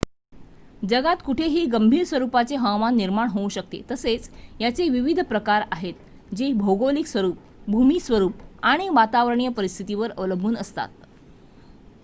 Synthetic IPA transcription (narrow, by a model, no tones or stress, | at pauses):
d͡ʑəɡat̪kuʈʰeɦiːɡəmbʱiːɾsʋəɾupat͡seɦəwmanːiɾmaɳɦoũɕək̚t̪ḛt̪əset͡sjat͡seʋiʋid̪ʱpɾəkaɾaɦet̪̚ | d͡ʑebʱoɡoliksʋəɾuːp̚ | bʱumisʋəɾuːpaɽ̃iʋat̪aʋəɾɳ̃ijəpəɾist̪ʰit̪iʋəɾəʋləbʱuːnəst̪a̰t̪̚